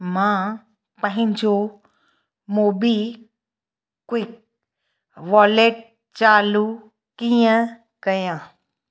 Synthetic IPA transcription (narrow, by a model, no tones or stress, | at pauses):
mãː | pə̃ɦɪ̃ɲd͡ʑo | moːbi | kwɪk̚ | ʋɔːleʈ̚ | t͡ʃaːlu | kĩjə̃ | kəjãː